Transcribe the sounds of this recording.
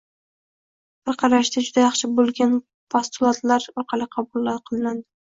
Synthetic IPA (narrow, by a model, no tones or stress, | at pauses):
b̥ɪɾqʰɑɾaʃd̪ad͡ʒʊd̪ajɑχʃɪbolˠɡʲan | pʰast̪ʊlˠat̪laɾɒɾqʰɑlˠɪqʰɑbʊlˠːaqʰɨlˠɪnand̪ɪ